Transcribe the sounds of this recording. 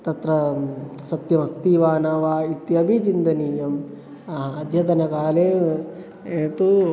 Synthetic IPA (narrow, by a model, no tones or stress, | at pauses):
t̪ɐt̪ɾɐsɐt̪jɐmɐst̪iːʋaːnaːʋaːit̪iɐbʱit͡ʃind̪ɐniːjɐm | ɐɦɐːd̪ʱjɐt̪ɐnɐkaːleː | et̪u